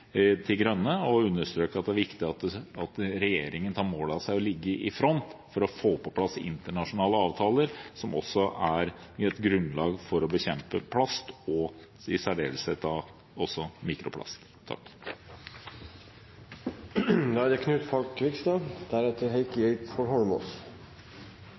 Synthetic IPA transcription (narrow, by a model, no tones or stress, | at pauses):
t̪ʰɪlɡɾœnːəɔʉnːəʂt̪ɾøːkəɑt̪̚d̪ɛæɾʋɪkt̪ɪɑt̪ɑt̪ɾɛjeːɾɪŋənt̪ʰɑːɾmoːlɑsæɪɔlɪɡːəʔɪfɾɔnt̪fɔɾɔfoːpʰɔpʰlɑsɪ̰nt̪əɳɑʂʊnɑːləɑːʋt̪ʰɑːləɾsɔmɔ̰sːɔæɾɛt̪ɡɾʉnlɑːɡfɔɾɔbəçɛmpəpʰlɑst̪ɔ | ɪsæɖeːll̩sət̪ɑ | ɔsːɔmiːkɾʊpʰlɑ̰st̪ʰːɑ̰kː | d̪ɔɑd̪ɛkʰnʉːt̪fɔlkʰʋɪkst̪ɑd̪̥æɾɛt̪ʰəɾɦɛɪkɛɪt̪fɔɾɦɔlmɔs